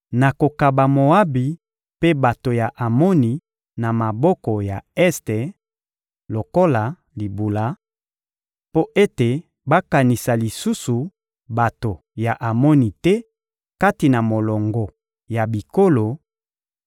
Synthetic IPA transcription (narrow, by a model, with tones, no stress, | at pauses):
na˨ko˨ka˨ba˨mo˨a˦bi˨ | pe˦ba˨to˨ja˨ʔa˨mɔ˦ni˨ | na˨ma˨bɔ˦kɔ˨ja˨ɛ˦ste˨ | lo˨ko˦la˨ | li˨bu˨la˨˦ | po˦ʔe˦te˨ | ba˦ka˨ni˨sa˨li˨su˦su˨ | ba˨to˨ | ja˨ʔa˨mɔ˦ni˨tɛ˦ | ka˦ti˨na˨mo˨lɔ˨ŋɡɔ˨ | ja˨bi˨ko˦lo˨